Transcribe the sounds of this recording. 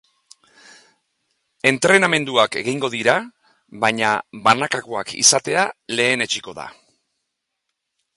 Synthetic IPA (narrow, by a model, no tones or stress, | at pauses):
e̞nt̪ɾe̞name̞nd̪uake̞ɣiŋɡo̞ðiɾa | βajɲaβanakako̞akḭsat̪e̞ale̞ːne̞t͡ʃiko̞ða̰